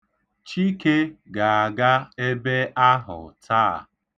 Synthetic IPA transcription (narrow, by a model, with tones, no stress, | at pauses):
t͡ʃi˦ke˦ɡa˨a˨ɡa˦e˦be˦a˦ɦʊ̰˨tʰaː˦˨